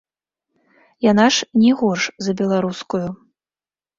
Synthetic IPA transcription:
janaʂnʲɛɣɔʂzɐbʲɛlˠaɾuskuju

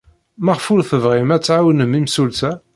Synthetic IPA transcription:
məʁfulθəvʁimæt͡sːʕawənəmimsulsæ

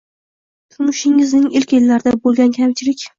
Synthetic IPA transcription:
t̪ʰʊɾmʊʃɪŋɪznɪŋɪlkʲelːaɾɪd̪abolˠɡʲankʲʰamt͡ʃʰɪɾɪkʲ

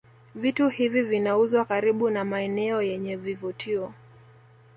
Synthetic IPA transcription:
vituhivivinauzwakaɾiɓunamaɛnɛɔjɛɲɛvivutʰiɔ

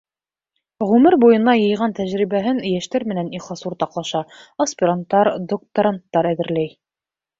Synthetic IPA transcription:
ʁʉmɘɾbujɤ̆nɑjɤ̆jʁɑnt̪æʑɾiβæɦɘnjæʃt̪æɾmɘ̆næniχɑsuɾt̪ɑqlˠɑʃɑospʲɪɾant̪ːɑɾd̪ok̚t̪oɾant̪ːɑɾæðɘ̆ɾlæj

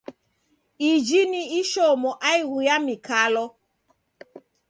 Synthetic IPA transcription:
id͡ʒiniiʃɔmɔʔaiɣujamikʰalɔ

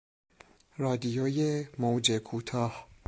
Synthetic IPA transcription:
rɒːd̪ijojemowd͡ʒekʰuːt̪ʰɒːh

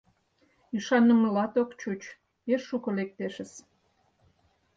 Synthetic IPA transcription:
yʃɑnə̆məlɑt̪okt͡ɕut͡ɕ | eʃːukŏlek̚t̪eʃəs

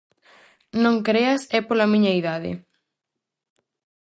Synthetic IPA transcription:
nõŋkɾeɐsɛpolɐmĩɲɐiðaðɪ̰

